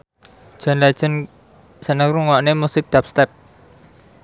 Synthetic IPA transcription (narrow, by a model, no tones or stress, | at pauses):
ʒ̥ɔ̤nlḁʒ̥ə̤n | sənəkɾuŋɔnemusɪk̚d̪̥ap̚st̪ɛp̚